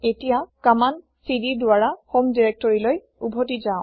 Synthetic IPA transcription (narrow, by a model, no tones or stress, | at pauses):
etijakaman | sididʊaɹaxomdiɹek̚tɔɹiloj | ubʱotizaʊ̃